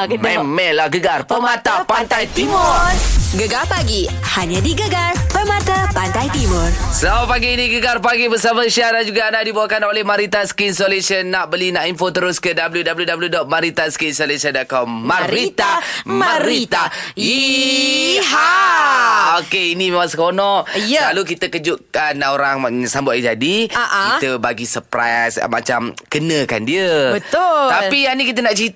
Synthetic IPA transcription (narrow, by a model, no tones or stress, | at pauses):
mɛmɛʔlahɡəɡarpəmat̪apant̪ajt̪imʊrɡəɡarpaɡihaɲãdiɡəɡarpəmat̪apant̪ajt̪imʊrsəlaapaɡiːnĩɡəɡarpaɡibəsamaʃiaanad͡ʒuɡaːndadibawakanolɛhmaɾit̪asə̥kinsolesiənːaʔbəlinaʔinfot̪əɾʊskədabəljudabəludabljudɔt̪̚maɾit̪askinsolesadakɔmːaɾit̪amaɾit̪ai | ha | okeinĩmemãŋsəkonɔ̃ʔsəalukit̪əkəd͡ʒʊʔkanoɾaŋsambʊt̪id͡ʒadiaʔkit̪əbaɡisəpɾa̰jjsma̰t͡ʃamkənə̃ka̰ndiəbəʊt̪apijanikit̪̬ənaʔt͡ʃit̪